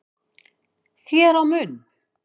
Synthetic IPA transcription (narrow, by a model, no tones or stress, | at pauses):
θjɛːɾawmʏn